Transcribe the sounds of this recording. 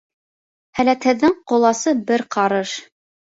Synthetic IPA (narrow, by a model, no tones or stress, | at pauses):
hælæt̪hɘ̆ðːɘɴqŏlˠɑsɤbɘɾqɑɾɤʃ